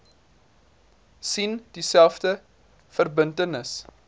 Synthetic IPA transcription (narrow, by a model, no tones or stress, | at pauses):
sind̥isælˠfdə | fərbəntənəs